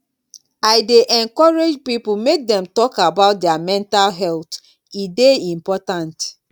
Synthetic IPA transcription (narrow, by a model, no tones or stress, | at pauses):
aɪdeʔɛ̃ŋkɔɹed͡ʒpipumek̚dɛ̃mtɔkabaʊt̚dɛamɛ̃ntalɦɛlt | ideĩmpɔtãnt